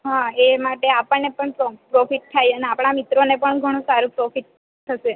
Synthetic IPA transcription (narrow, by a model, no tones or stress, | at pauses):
ɦãemaʈeapəɳːepəɳpɾopɾɔfiʈ̚t̪ʰajəneapɳ̃amit̪ɾonepəɳɡʱəɽ̃ũsaɾũpɾɔfiʈ̚ | t̪ʰːəʃe